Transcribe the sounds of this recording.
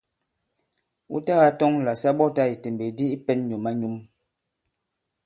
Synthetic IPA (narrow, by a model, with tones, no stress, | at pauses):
ṵ˦ta˦ɣa˦tɔ˦ŋla˨sa˦ɓɔ˦ta˦˨i˨te˨m˨be˨di˦i˦pɛ˦nɲu˨ma˦ɲu˦m